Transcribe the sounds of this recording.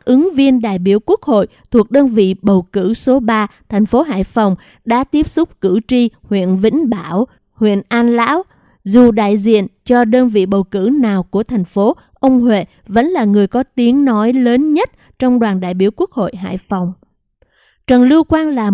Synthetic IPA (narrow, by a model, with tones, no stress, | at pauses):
ʔɨ˨˦ŋvi˧ənɗa̰ː˧˨jɓi˧˩əwku˦˥ək̚ho̰˧˨jt̪ʰu˨˩k̚ɗəː˧nvḭ˧˨ɓə˨˩wkɨ̰˧˩so˨˦ɓaː˧t̪ʰɛ˨˩jŋ̟fo˨˦ɦa̰ː˧˨jfa˨˩wŋ͡m | ɗa̰ː˧˥t̪i˦˥əp̚sʊ˦˥k͡p̚kɨ˧˩t͡ɕi˧hwḭ˧˨ənvḭ˧˥ŋ̟ɓaː˧˩˨w | hwḭ˧˨ənʔaː˧nla̰ː˧˥w | zu˨˩ɗa̰ː˧˨jzḭ˧˨ənt͡ɕɔ˧ɗəː˧nvḭ˧˨ɓə˨˩wkɨ̰˧˩naː˨˩wku˧˩ət̪ʰɛ˨˩jŋ̟fo˨˦ | ʔə˧wŋ͡mɦwḛ˧˨ | və̰˧˥nlaː˨˩ŋɨ˨˩əjkɔ˨˦t̪i˨˦əŋnɔ˨˦jləː˨˦nɲə˦˥t̚ | t͡ɕɔ˧wŋ͡mɗwaː˨˩nɗa̰ː˧˨jɓi˧˩əwku˦˥ək̚ho̰˧˨jɦa̰ː˧˨jfa˨˩wŋ͡m | t͡ɕə˨˩nli˧əkwaː˧nlaː˨˩